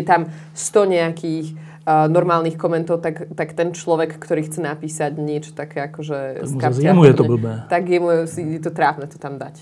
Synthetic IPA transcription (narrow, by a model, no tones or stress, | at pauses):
ɛt̪am | st̪ɔɲɛakiːx | nɔɾmaːlniːxkɔmɛnt̪ɔʊt̪akt̪akt̪ɛnt͡ʃlɔʋɛkːt̪ɔɾiːxt͡sɛnapiːsaɟɲɪɛt͡ʃɔ̥t̪akɛːakɔʒɛskaɛmujɛt̪ɔɛbl̩bnɛːt̪aɡjɛmusijɛt̪ɔt̪ɾavnɛt̪ɔ̥t̪amd̪ac